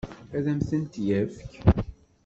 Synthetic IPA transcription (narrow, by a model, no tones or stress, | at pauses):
æðæmθənt̪jæfk